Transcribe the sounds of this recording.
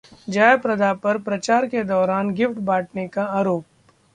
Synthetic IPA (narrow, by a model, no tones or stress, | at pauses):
d͡ʒaːjpɾɐd̪ʱapɐɾpɾɐt͡ʃaːɾked̪ɔːɾaːnɡɪfʈbaːʈ̚ʰnekaaːɾoːp̚